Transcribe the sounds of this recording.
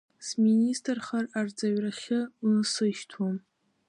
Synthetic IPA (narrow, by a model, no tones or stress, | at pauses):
sministʰʼrχarard͡zaɥraχʲɪsɨʃtʰwam